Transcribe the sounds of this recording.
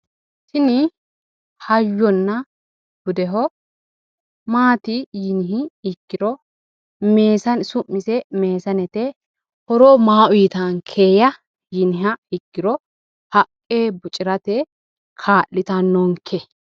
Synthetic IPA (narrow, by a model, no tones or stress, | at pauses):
sɪnɪ | hɐjːɔnːɐ | b̥ʊd̪ɛɦɔ | maːt̪ɪjɪnɪɦɪːkːɪɾɔ | me̞ːsɐnsʊmːɪsɛme̞ːsɐnɛt̪ɛ | hɔɾɔmaːʔʊjt̪ɐŋkʰeːjɐ | jɪnɪɦɐɪkːɪɾɔ | hɐkʼːeːbʊt͡ʃʼɪɾɐt̪ɛ | kʰaːʔːɪt̪ɐnːɔŋkʰːɛ